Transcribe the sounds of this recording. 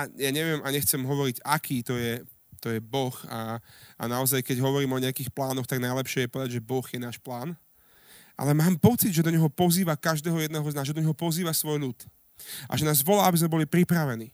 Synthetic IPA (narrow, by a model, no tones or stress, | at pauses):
ajaːɲɛʋɪɛmaɲɛxt͡sɛmɦɔʋɔɾiɟakʰiːt̪ɔjɛ | t̪ɔjɛbɔxaa̰naɔzajkɛɟɦɔʋɔɾiːmɔɲɛakiːxplaːnɔxt̪aɡnajlɛpʃɪɛjɛpɔʋɛd̪aɟʒɛbɔɣjɛnaːʃplaːn | ʔa̰lɛmaːmpɔt͡sid̪ʒɛd̪ɔɲɛɦɔpɔziːʋakaʒd̪ɛːɦɔjɛd̪nɛɦɔznaːʒɛd̪ɔɲɛɦɔpɔziːʋasʋɔjʎut̪ | ʔa̰ʒɛnaːzʋɔlaːabizmɛbɔlipɾipɾaʋɛniː